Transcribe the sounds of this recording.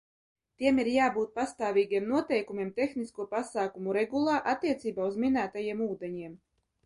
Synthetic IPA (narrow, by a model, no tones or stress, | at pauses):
t̪iɛmiɾjaːbuːt̪̚past̪aːvʲiːɡʲiɛmnuɔt̪ɛjkumʲiɛmt̪ʲɛxniskuɔpasaːkumuɾɛɡulˠaːʔat̪ːiɛt̪siːbaːuzminæːt̪ajiɛmuːd̪ɛɲiɛm